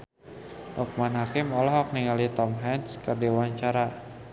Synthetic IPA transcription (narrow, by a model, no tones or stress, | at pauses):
ʔuk̚manhakɪmɔlɔɦɔk̚niŋalit̪ɔmɦɛnskərdiwaɲt͡ʃaɾa